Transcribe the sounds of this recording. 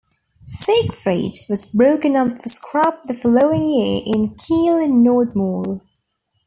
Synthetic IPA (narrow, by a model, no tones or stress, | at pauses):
seɪkfɹeɪdwʌzbɹoʊkɨ̃nʌ̃pfəskʰɹ̥ɑp̚ðɨfɔloʊɪ̃ŋjɪɹɪ̃nkʰilˠə̃nːɔːd̚mɔːlˠ